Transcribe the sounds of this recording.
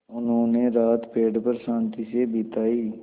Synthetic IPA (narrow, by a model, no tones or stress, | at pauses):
ʊnɦõːneɾaːt̪peːɖpəɾsãːnt̪isebʱɪt̪aːiː